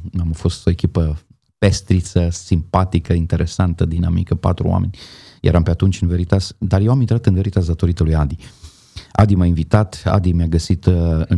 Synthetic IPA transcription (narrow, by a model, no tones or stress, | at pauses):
amfo̞st̪o̞e̞kʲipə | pest̪ɾit̪səsimpat̪ikəint̪e̞ɾʔe̞sant̪əd̪inamḭkəpa̰t̪ɾṵa̰menʲjḛɾampeat̪unt͡ʃʲɨnve̞ɾit̪asd̪arjewamint̪ɾat̪ɨnve̞ɾit̪asd̪at̪o̞ɾit̪əlujad̪i | a̰d̪imainvit̪at̪a̰d̪imjaɡəsit̪ɨ